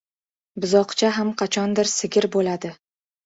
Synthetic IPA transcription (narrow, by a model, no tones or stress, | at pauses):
bʊzɒqt͡ʃʰaɦamqʰɑt͡ʃʰɒnd̪ɪɾsɪɡʲɪɾbolad̪ɪ